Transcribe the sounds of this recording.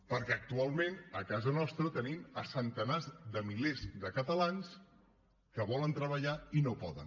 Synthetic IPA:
pəɾkɛək̚t̪ualˠmenəkazənɔst̪ɾət̪əniməsənt̪ənazd̪əmilezðəkət̪əlans | kəβɔlənt̪ɾəβəʎainopɔðə̰n

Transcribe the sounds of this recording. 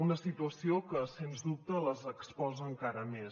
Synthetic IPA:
unəsit̪uəsiokəsenzðup̚t̪ələzəkspɔzəːŋkaɾəmes

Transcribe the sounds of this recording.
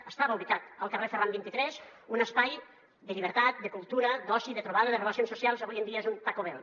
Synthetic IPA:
əst̪aβəuβikat̪əlˠkərefərambint̪it̪ɾɛzunəspaj | d̪əʎiβəɾt̪at̪̚d̪əkulˠt̪uɾəd̪ɔsiðət̪ɾuβaðəðərələsionsusialˠzəβujənd̪iəezunt̪akoβɛl

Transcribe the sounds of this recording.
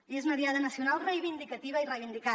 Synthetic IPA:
iezunəðiaðənəsiunalˠrejβind̪ikət̪iβəirejβind̪ika

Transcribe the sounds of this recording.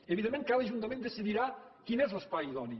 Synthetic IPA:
eβiðẽmẽnkaðəʒunt̪ɐmẽnd̪esiðiɾakinɛzlespajiðɔni

